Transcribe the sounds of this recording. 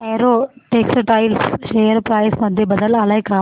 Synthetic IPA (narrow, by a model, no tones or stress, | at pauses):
eːɾoːʈeːksʈaːɪlsʃeːjəɾpɾaːɪsʋɐ̃nd̪ʱebɐd̪əlaːlaːekʰaː